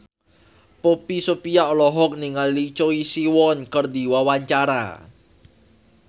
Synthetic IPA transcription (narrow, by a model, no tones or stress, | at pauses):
popisopijaɔlɔɦɔk̚niŋalːit͡ʃoisiwɔnkərd̪i̤wawaɲt͡ʃaɾa̰